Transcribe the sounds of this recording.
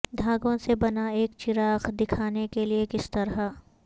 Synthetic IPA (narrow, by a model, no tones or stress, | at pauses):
d̪ʱaːɡõsebɐnaeːkt͡ʃɪɾaːxd̪ɪkʰaːnekeliekɪst̪ɐɾɦa